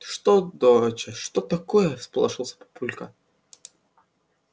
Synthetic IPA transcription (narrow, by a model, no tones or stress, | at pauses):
ʂt̪od̪oɾət͡ɕɛʂt̪ɔt̪ɐkojəspəlˠɐʐɨlˠsʲɐ̥pɐ̥pulʲkɐ̰